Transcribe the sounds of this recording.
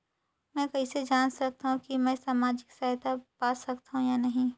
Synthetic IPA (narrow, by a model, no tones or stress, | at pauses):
mɛ̃ːkɐɦised͡ʒaːnsɐk̚t̪aɦũkimɛ̃ːsaːmaːd͡ʒɪksaːt̪apaːsɐkt̪aɦũjanɐɦĩ